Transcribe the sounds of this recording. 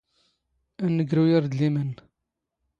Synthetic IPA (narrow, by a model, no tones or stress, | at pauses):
ænːəɡɾujiɾd̪limən